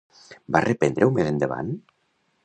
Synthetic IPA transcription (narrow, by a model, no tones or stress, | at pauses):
barepend̪ɾewmezend̪eβa̰n